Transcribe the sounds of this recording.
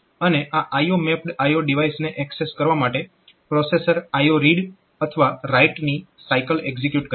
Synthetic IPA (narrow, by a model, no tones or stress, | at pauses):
əneʔaʔajomɛpɖajoɖiʋajsneʔɛkseskəɾʋamaʈe | pɾosesəɾajoɾiɖ | ət̪ʰəʋaɾaiʈnisajkəleɡzekjuʈkə